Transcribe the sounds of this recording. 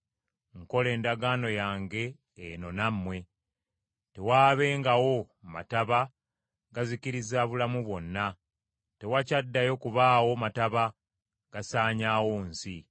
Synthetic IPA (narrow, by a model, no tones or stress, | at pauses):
ŋko̞le̞ːndaɡaːno̞jaːŋɡe̞ː | no̞namːwe̞ | te̞waːβe̞ːŋɡawo̞ | ma̰taβa | ɡaziciɾizaβulamuβwo̞nːa | te̞wacadːajo̞kuβaːwo̞mataβa | ɡ̥asaːɲaːwoːnsi